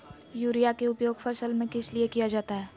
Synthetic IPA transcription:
juːɾijakeʊpjoːɡfɐʃəlmẽkɪsliekijad͡ʒaːt̪aɦɛː

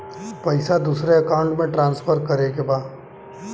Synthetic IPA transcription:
pɐɪsad̪uːsɾeɐkaːʊ̃ɳʈmẽʈɾãːnsfʰəɾkɐɾekebaː

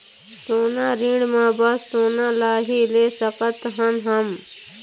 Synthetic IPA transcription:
soːnaːɾĩːɽmãbəsːoːnaːlaːɦileːsəkət̪ɦənɦəm

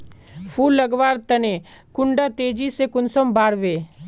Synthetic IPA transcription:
fʰuːlːɐɡʋaːɾt̪ɐne | kʊ̃ɳɖat̪eːd͡ʒisekʊnsəmbaːɾʋeː

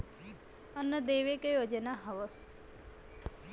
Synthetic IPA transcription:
ənːəd̪eʋekejod͡ʒənaɦəʋə

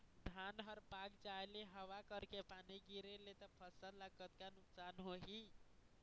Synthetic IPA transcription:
dʱanɦəɾpaɡd͡ʒaeleɦəwakəɾkepaniɡiɾelet̪əpʰəsələɡkət̪kanuksanɦoɦi

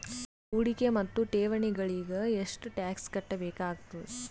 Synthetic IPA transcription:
uɽikemɐt̪ːuʈeːʋɐɳiɡɐɭiɡɐeʂʈuʈaːkskɐʈːɐbeːkaːɡt̪u

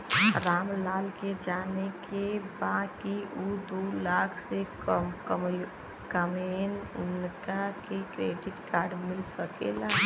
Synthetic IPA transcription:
ɾaːmlaːlked͡ʒaːnekebãd̪kiʔud̪ulaːkʰse | kəmenʊnkakekɾeːɖɪʈkaːɾɖmɪlsəkela

